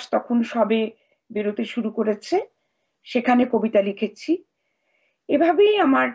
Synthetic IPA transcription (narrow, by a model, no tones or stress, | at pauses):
ʃt̪ɔkʰonʃɔbe | biɾod̪ʱeʃuɾukoɾet͡ɕʰe | ʃekʰanekobit̪alikʰet͡ɕʰi | ebʱabejamaɾ